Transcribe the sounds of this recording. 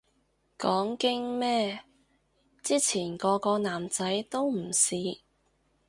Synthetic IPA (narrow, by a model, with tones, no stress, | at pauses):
kɔː˨˥ŋkɪ˥ŋmɛː˥ | t͡siː˥t͡sʰiː˨˩nkɔː˧kɔː˧naː˨˩mt͡sɐ˨˥jt̪o˥wm̩˨˩siː˨˧